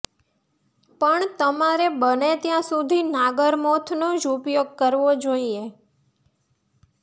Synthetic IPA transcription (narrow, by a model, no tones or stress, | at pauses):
pəɳt̪əmaɾebənet̪jãsud̪ʱinaɡəɾmot̪ʰnõd͡ʒupjoɡ̚kəɾʋod͡ʒoie